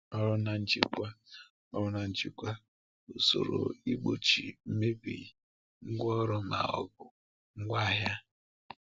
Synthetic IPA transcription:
ɔ˦ɾʊ˦na˨n̩˦t͡ʃi˦kʷa˦ | ɔ˦ɾʊ˦na˨n̩˦t͡ʃi˦kʷa˦ | o˨so̰˨ɾo̰˨i˦ɡ͡bo˨t͡ʃi˨m̩˦me˦bi˨ | ŋ̩˦ɡʷɔ˦ɾʊ˦ma̰˨ɔ̰˨bʊ˨ | ŋ̩˦ɡʷa˦˨ɦja˦

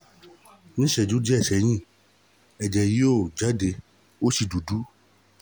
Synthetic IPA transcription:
nĩ˦ʃɛ˨d͡ʒu˨˦d͡ʒi˦ɛ˦˨ʃɛ˨˦j̃ĩ˦˨ | ɛ˨d͡ʒɛ˨ji˦o˦˨d͡ʒa˨˦de˧ | o˦ʃi˧du˨du˨˦

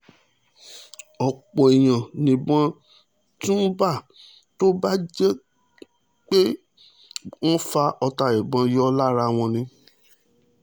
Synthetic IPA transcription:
ɔ˨k͡pɔ˨e˨j̃ã˨nĩ˨bã˧ | tũ˦n̩˦ba˦˨ | to˦ba˦d͡ʒɛ˦ | k͡pe˦ | wɔ̃˦fa˧ɔ˧ta˨i˨bã˧jɔ˦la˦ɾa˧˨w̃ɔ̃˧nĩ˧

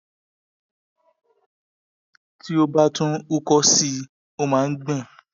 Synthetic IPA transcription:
ti˦o˧ba˦tũ˦u˦kɔ˧si˧ | o˦mãː˨˦n̩˦ɡ͡bɛ̃˦˨

